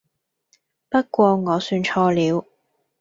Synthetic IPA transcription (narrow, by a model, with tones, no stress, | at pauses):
pɐ˥t̚kʷɔː˧ŋɔː˨˧syː˧nt͡ʃʰɔː˧liː˨˧w